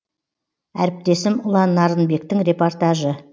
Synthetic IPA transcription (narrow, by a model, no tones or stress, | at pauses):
æ̰ɾɪp̚t̪e̞sɪmʊlˠɑnːɑɾənbe̞k̚t̪ɪŋɾʲe̞po̞rt̪aʒə